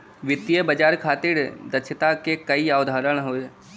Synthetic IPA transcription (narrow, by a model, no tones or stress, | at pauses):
ʋɪt̪ijəbəd͡ʒaːɾkʰaːt̪ɪɾd̪ɐʃʰət̪akekɐiaːʊd̪ʱaːɾəɽɦo